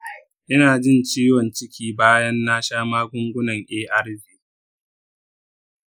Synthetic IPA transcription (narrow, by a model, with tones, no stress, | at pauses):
ʔɪ˦naː˨d͡ʒɪ˦˨nt͡ʃiː˦wɔ˨nt͡ʃɪ˦kʲiː˦baː˦jɐ˦nːaː˦ʃaː˦maː˦ɡʷʊ˦ŋɡʷʊ˦nɐ˨ŋʔeː˦ʔɐ˦ɽd͡ʒiː˨